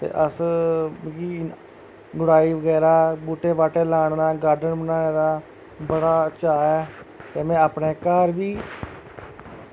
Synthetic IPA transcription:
t̪ḛːʔəs | iː | ɡʊɽaːiːʋəɡɛːɾaːbuːʈeːʋaːʈeːlaːɳnãːɡaːɾɖənbənaːneːd̪aː | bəɽaːt͡ʃaːɛːt̪eːmɛ̃ːaːpneːkaːɾʋiː

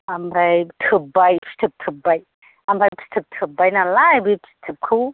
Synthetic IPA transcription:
amɾajtʰɯbajpʰi̥stʰɯp̚tʰɯbaj | amɾajpʰi̥stʰɯp̚tʰɯbːajnalajbipʰi̥stʰːɯp̚kʰɯw

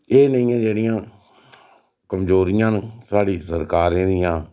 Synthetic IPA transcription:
eːnəĩːãːd͡ʒeːɽɪjãː | kəmzoːɾɪjãːnt̪aːɽiːsəɾkaːɾẽːd̪ɪjãː

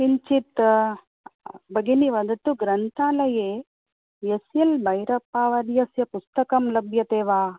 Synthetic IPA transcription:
iɲt͡ʃit̪ | bɐɡiniʋɐd̪ɐt̪ːuɡɾɐnt̪ʰaːlɐjeː | jesjɐlbɐjɾɐpːaːʋɐɾjɐsjɐpust̪ɐkɐmlɐbʱjɐt̪eːʋaː

